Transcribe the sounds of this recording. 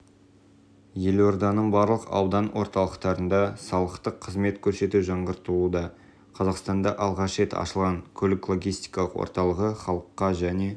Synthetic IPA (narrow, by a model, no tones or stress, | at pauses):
je̞lwo̞ɾd̪ɑnəɴbɑɾlˠəqɑ̰wd̪ɑnwo̞̰ɾt̪ɑlˠəqt̪ɑɾənd̪ɑsɑlˠəqt̪əqʰːəzme̞t̪kʲʰɵɾse̞t̪uʒɑɴʁəɾt̪əlˠud̪ɑ | qʰɑzɑqst̪ɑnd̪ɑʔɑlˠʁɑʃɾe̞t̪ɑ̰ʃəlˠʁɑŋkʲʰɵlɪklˠo̞ɡʲijst̪ijkɑlˠəqwo̰ɾt̪ɑlˠəʁəχɑlˠəqːɑʒæne̞